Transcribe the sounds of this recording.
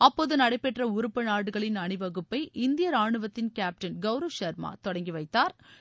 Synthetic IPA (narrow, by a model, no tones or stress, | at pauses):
ɐpːoːðɯnɐɽɐɪpːɛʈrɐʊɾɯpːɐnaːɽɯɣɐɭɪnɐɳɯʋɐɣɯpːɐɪʔɪnd̪ɪjɐɾaːɳɯʋɐt̪ːɪnkaːp̚ʈɐnɡɐʊɾɐʋʃɐɾma̰ːt̪ɔɽɐŋɡiʋɐɪt̪ːaːɾ